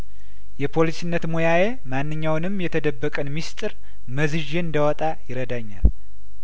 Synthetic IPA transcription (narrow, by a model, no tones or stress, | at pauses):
jɛpʰo̞lisinːət̪mojaje̞manːɨɲːawnɨmjɛt̪ʰəd̪əbːəkʼənmist̪ʼɨɾ | məzɨʒeɨnd̪əwɔt̪ʼajɪɾəd̪aɲːa̰l